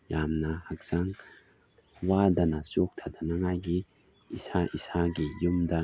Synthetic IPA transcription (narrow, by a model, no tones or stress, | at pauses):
jamnɐhak̚saŋ | wadɐnasok̚t̪ʰad̪anaŋajɡi | isaʔisaɡijumda